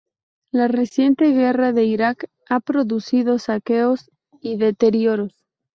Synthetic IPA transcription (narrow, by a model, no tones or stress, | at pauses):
lare̞sje̞nt̪e̞ɣe̞raðe̞iɾak | apɾo̞ðusið̞o̞sakeo̞s | iðe̞t̪e̞ɾjoɾo̞s